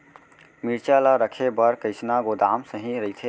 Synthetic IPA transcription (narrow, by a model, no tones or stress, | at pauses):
miɾt͡ʃalaɾəkʰebəɾkəɪsnaɡod̪aːmsə̃ɦĩɾəit̪ʰe